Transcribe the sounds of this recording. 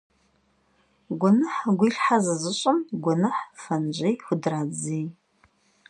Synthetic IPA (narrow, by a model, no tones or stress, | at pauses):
ɡʷʊnɨħɡʷiɬħazɐzɨɕʼɪmɡʷʊɔnɨħfɐnʑɐjxʷʊdraːd͡zij